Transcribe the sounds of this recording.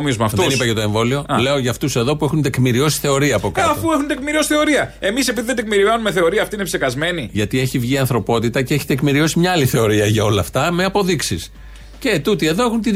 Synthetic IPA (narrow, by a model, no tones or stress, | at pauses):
miozmɐfðenipɐcet̪o̞e̞ɱvo̞lio̞le̞oʝɐft̪use̞ðo̞pue̞xunt̪e̞kmiɾio̞si̥θe̞o̞ɾiɐːpo̞kɐɐfuexunt̪ekmiɾiosi̥θeo̞ɾiɐe̞misepiðiðend̪ekmiɾiɐnumeθe̞o̞ɾiɐːft̪inepsekɐzme̞niʝɐt̪ie̞çivʝiɐnθɾo̞po̞t̪it̪ɐceeçi̥t̪ekmiɾio̞simɲɐaliθe̞o̞ɾiɐʝɐo̞lɐːft̪ɐme̞ɐpo̞ðiksis | ce̞t̪ut̪ie̞ðo̞e̞xunt̪i